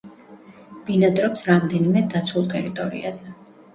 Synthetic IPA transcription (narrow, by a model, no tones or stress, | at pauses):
b̥inad̪ɾɔpsɾamd̪ɛnimɛd̪at̪sʰulˠt̪ʼɛɾit̪ʼɔɾḭa̰zɛ